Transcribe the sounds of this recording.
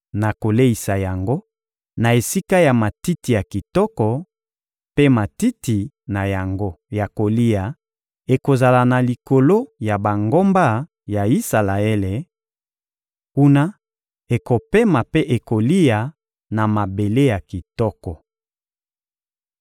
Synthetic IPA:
na˨ko˨le˦i˨sa˨ja˨ŋɡo˦ | na˨e˨si˦ka˦ja˨ma˨ti˦ti˨ja˨ki˨tɔ˦kɔ˨ | pe˦ma˨ti˦ti˨ | na˨ja˨ŋɡo˦ja˨ko˨li˦ja˨ | e˨ko˨za˨la˨na˨li˨ko˨lo˦ja˨ba˨ŋɡo˦mba˦ | ja˨i˦sa˨la˨e˦le˨ | ku˦na˦ | e˨ko˨pe˦ma˨pe˦ʔe˨ko˨li˦ja˨ | na˨ma˨be˨le˦ja˨ki˨tɔ˦kɔ˨

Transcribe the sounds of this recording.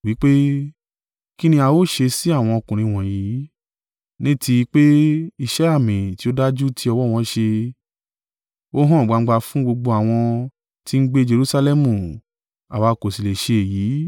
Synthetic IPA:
wi˨˦k͡pe˦ | ki˦nĩ˧a˧wo˦˨ʃe˧si˨˦a˦˨w̃ɔ̃˧ɔ˧kũ˨ɾ̃ĩ˧w̃ɔ̃˨ji˨˦ | nĩ˦tʰi˧i˧k͡pe˦i˧ʃɛ˦a˦˨mĩ˨ti˨˦o˦da˦d͡ʒu˦ti˧˦ɔ˧wɔ˦˨w̃ɔ̃˧˦ʃe˧ | o˦ɦɔ̃˦˨ɡ͡ba˧˦ɡ͡ba˧fũ˦ɡ͡bo˧ɡ͡bo˧a˨w̃ɔ̃˧ | ti˧n̩˦ɡ͡be˦d͡ʒe˧ɾu˦sa˧lɛ˦mũ˨ | a˨wa˨˧ko˨si˨le˨ʃe˧e˨jiː˨˦

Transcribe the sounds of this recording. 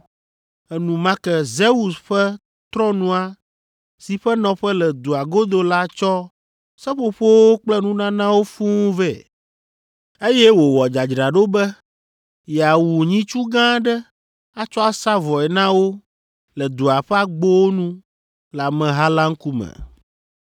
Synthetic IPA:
ɛ˨nũ˨mã˦kɛ˦ze˦wu˨sɸɛ˦ | t̪ɾɔ̃˦nũ˦a˦ | si˨ɸɛ˦nɔ̃˨ɸɛ˦lɛ˨d̪u˨a˨ɡo˦d̪o˦la˦t͡ʃɔ˦ | sɛ˦ɸo˨ɸo˦wo˦k͡plɛ˦nũ˦nã˦nã˦wo˦fũ˦vɛ˨ | e˦jɛ˦wo˨wɔ˨d͡ʒa˨d͡ʒɾa˨ɖo˦bɛ˦ | ja˨wu˨ɲĩ˦t͡ʃu˦ɡã˦ɖɛ˦ | a˦t͡ʃɔ˦a˦sa˦vɔ˨ɛ˨nã˦wo˦ | lɛ˨d̪u˨a˨ɸɛ˦a˦ɡ͡bo˦wo˦nũ˦ | la˨mɛ̃˨ɦa˦la˦ŋ̩˦ku˦mɛ̰̃˨

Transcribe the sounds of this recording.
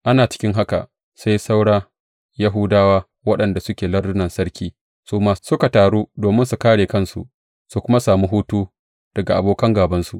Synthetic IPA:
ʔa˦naː˨t͡ʃɪ̥˦kʲɪ˦ŋɦa˦ka̰˨ | sa˦jsa˦wɽaː˦ | ja˦ɦʊ˦daː˦waː˦ | wɐ˦ɗɐ˨nda˨sʊ˦kʲeː˨lɐ˦rdʊ˦nɐ˨nsɐ˦ɽkʲiː˦ | suː˦maː˦sʊ˦ka˨taː˨ɽuː˦doː˨mɪ˦nsu˨kaː˦ɽeː˨kɐ˦˨nsṵ˨ʔ | su˨kʷʊ˦ma˦saː˨muː˦ɦuː˦tuː˦ | d̥ɐ˨ɡa˨ʔa̰˨boː˨kɐ˦ŋɡaː˨bɐ˦nsu˨ʔ

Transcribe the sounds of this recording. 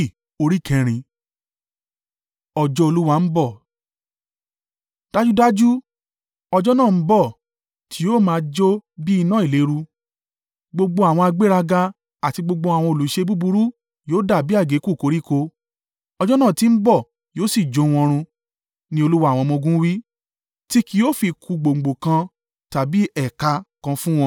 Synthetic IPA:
o˧ɾi˦˨kɛ̃˨ɾ̃ĩ˧ | ɔ˨d͡ʒɔ˦o˧lu˦wa˦˨m̩˦bɔ˦˨ | d̥a˦d͡ʒu˦da˦d͡ʒu˦ | ɔ˧d͡ʒɔ˦nãː˦˨m̩˦bɔ˦˨ | tʰi˨˦jo˦˨mãː˨˦˧d͡ʒo˦bi˦i˧nã˦i˨le˨˦ɾu˧ | ɡ͡bo˧ɡ͡bo˧a˨w̃ɔ̃˧a˧ɡ͡be˦ɾa˧ɡa˧ | a˨ti˧ɡ͡bo˧ɡ͡bo˧a˨w̃ɔ̃˧o˨lu˨ʃe˧bu˦bu˧ɾu˦ | joː˦da˦˨bi˦a˦˨ɡe˨˦ku˦˨ko˨˦ɾi˦˨ko˧ | ɔ˧d͡ʒɔ˦nãː˦˨ti˨˦m̩˦bɔ˦˨ | joː˦si˦˨d͡ʒo˨˦w̃ɔ̃˧ɾ̃ũ˧ | nĩ˦o˧lu˦wa˦˨w̃ɔ̃˧mɔ̃˧ɡũ˦wi˦ | ti˦ki˧jo˦fi˧kʰu˧ɡ͡bo˨ŋ͡m̩˨ɡ͡bo˨kã˧ | ta˨bi˨˦ɛ˦˨ka˧kã˧fũ˦w̃ɔ̃˧

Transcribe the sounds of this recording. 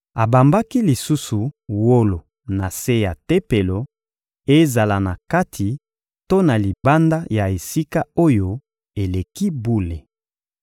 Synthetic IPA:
a˨ba˨mba˦ki˦li˨su˦su˨wo˦lo˨ | na˨se˦ja˨te˦pe˨lo˨ | e˦za˨la˨na˨ka˦tʰi˨ | to˦na˨li˨ba˦nda˦ja˨e˨si˦ka˦o˦jo˦ | e˨le˨ki˦bu˦le˨

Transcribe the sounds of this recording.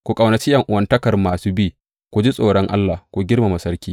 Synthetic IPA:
kʷu˨kʼa˨wnɐ˨t͡ʃɪ˦jɐ˨ŋʔʊ˨wɐ˦ntɐ˦kɐ˨rmaː˨suː˦biː˦ | kʷu˨d͡ʒi˦sʼoː˨ɽɔ˦ŋʔa̰˦lːaː˨kʷu˨ɡʲɪ˦rma˨mɐ˨sɐ˦ɾkʲiː˦

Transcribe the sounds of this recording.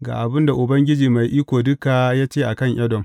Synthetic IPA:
ɡa̰ː˨ʔa˨bɪ˦nda˨ʔʊ˨bɐ˦ŋɡʲɪ˦d͡ʒiː˨ma˨jʔiː˦kʷoː˨dʊ˦kaː˨jaː˦t͡ʃeː˦ʔa˨kɐ˦˨ɲʔɐ˦dɔ˨ŋ

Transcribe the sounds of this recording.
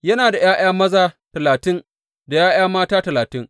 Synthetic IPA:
jɐ˦naː˨da˨jaː˦j̰aː˦mɐ˦zaː˦tɐ˨laː˨tɪ˦n | da˨jaː˦j̰aː˦maː˦taː˦tɐ˨laː˨tɪ˦ŋ

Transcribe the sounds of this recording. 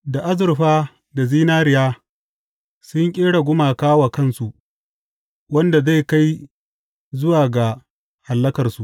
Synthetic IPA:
da˨ʔa˦zʊ˨ɾɸaː˦ | da˨ziː˦naː˦ɾɪ˨jaː˦ | sʊ˦ŋkʲʼeː˦ɽa˨ɡʷʊ˦maː˨kaː˦wa˨kɐ˦˨nsu˨ʔ | wɐ˦nda˨za˦˨ka˦j | zʊ˦waː˨ɡa˨ | ha˨lːɐ˦kɐ˨rsu˨ʔ

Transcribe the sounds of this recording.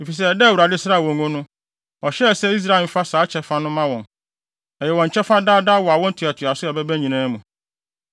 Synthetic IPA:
e˨fi˨s̬ɛ˦˨dɛ˦˨wu˨ɾa˨dɪ˦sɾa˦˨wɔ̃˨ŋõ˦nʊ̃˦ | ɔ˨ɕɛ˦˨sɛ˦i˦s̬ɾa˦ɪ˨m̩˨fa˦saː˨˦t͡ɕʰɛ˦fa˦nʊ̃˦mã˦wɔ̃˨n | ɛ˨jɛ˨wɔ̃˨ɲ˨t͡ɕʰɛ˦fa˦daː˦daː˦wɔ˨a˨wɔ̃˦n̩˦tʰu˨a˨tʰɪ˨a˨sʊ˦ɛ˨bɛ˦bæ˦ɲĩ˨nãː˦mũ˨

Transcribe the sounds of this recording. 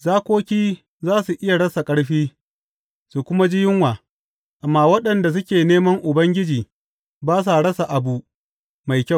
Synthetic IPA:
zaː˦kʷoː˦kʲiː˦ | zaː˦su˨ʔɪ˦ja˨ɽɐ˦sa˨kʼɐ˦ɽɸiː˦ | su˨kʷʊ˦ma˦d͡ʒɪ˦jɪ˦ŋwaː˨ | ʔa˨mːa˨wɐ˦ɗɐ˨nda˨s̬ʊ˦kʲeː˨neː˦mɐ˦ŋʔʊ˨bɐ˦ŋɡʲɪ˦d͡ʒiː˨ | baː˦s̬a˨ɽɐ˦sa˨ʔa˨bu˦ʔ | ma˨jkʲa˦˨

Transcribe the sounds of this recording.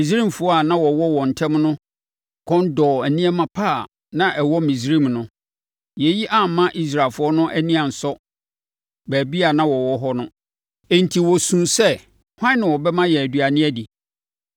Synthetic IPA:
mĩ˨s̬ɾi˦mfʊ˨ɔ˦a˨nã˦wɔ˨wɔ˦wɔ̃˨n̩˨tʰɛ̃˦mnʊ̃˦ | kʰɔ̃˦n˦dɔː˨æ˨nĩ˦ɛ˦mã˨pʰaː˦˨ | nã˦ʔɛ˨wɔ˦mĩ˨sɾĩ˦mnʊ̃˦ | jɛ˨ji˦ʔa˦m̩˨mã˦ʔi˦s̬ɾa˨lfʊ˦ɔ˦nʊ̃˦ʔæ˦nĩ˦ã˨n̩˨sɔ˦ | bæː˨bi˦a˨nã˦wɔ˨wɔ˦ɦɔ˦nʊ̃˦ | e˨n̩˨tʰi˨wɔ˨sũ˨nsɛ˦ | hʷã˦nɪ̃˨wɔ˨bɛ˦mã˦jɛ˨æ˨dɥa˨nɪ̃˦ɛ˦di˨

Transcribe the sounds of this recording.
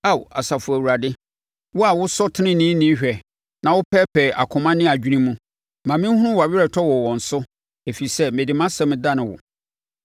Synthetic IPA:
a˦˨wa̰˨sa˨fʊ˨æ˨wu˨ɾa˨dɪ˦ | wʊ˦a˨wʊ˦sɔ˦tʰɪ˦nɪ̃˦nĩː˦nĩ˦ɕᶣɛ˨ | nã˨wʊ˦pʰɛ˦pʰɛ˨ʔa̰˨kʰʊ̃˨mã˦nɪ̃˦a˨d͡ʑᶣi˦nĩ˦mũ˦ | mã˨mɪ̃˦hʊ˦ʊ̃˦wa˨ɥɪ˦ɾɛ˨tʰɔ˦wɔ˨wɔ̃˨n̩˨sʊ˦ | e˨fi˨sɛ˦mẽ˨di˨mã˦sɛ̃˦mɪ̃˨da˦nɪ̃˨wʊ̰˨

